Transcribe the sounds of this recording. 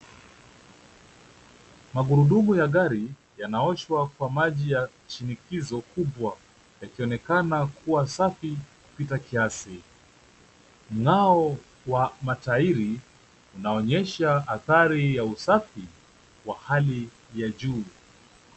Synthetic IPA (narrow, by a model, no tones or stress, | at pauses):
maɠuɾuɗuɓujaɠaɾi | janaɔʃwakwamaʄija | ʃinikizɔkuɓwa | jakiɔnɛkanakʰuwasafiku̥pitakiasi | m̩ŋaɔ | wamataiɾi | unaɔɲɛʃaaθaɾijausafi | wahali | jaʄuː